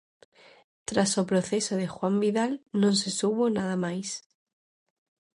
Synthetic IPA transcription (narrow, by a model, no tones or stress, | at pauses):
t̪ɾasopɾoθe̞soðexwambiðalnõnsesuβonaðamajs